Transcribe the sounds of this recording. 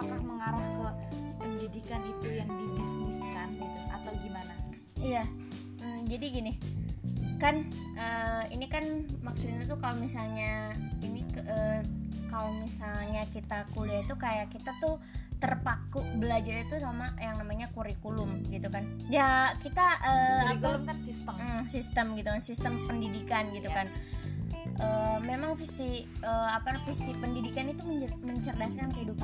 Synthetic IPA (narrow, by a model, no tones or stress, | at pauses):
akakməŋaɾahbawapəɲd͡ʒadikanit̪ujaŋdibisnɪskanɡit̪uʔa̰t̪aɡimana | ija | m̩d͡ʒadiɡinɪ | kan | ʔəḭnikanmaksut̪inut̪ukalomisalɲainikʔəkalomisalɲakit̪akuliait̪ukajaʔkit̪at̪u | t̪ərpakuʔbəlad͡ʒaɾit̪usamajaŋnamaɲakuɾikulʊmɡit̪ukan | jakit̪aʔəːkl̩ | sist̪əmɡit̪ukansist̪əmpəndidikanɡit̪ukan | ʔəːmemaŋfisiəapafisipəndidikanit̪uməɲd͡ʒməɲt͡ʃərdaskankəɦidupa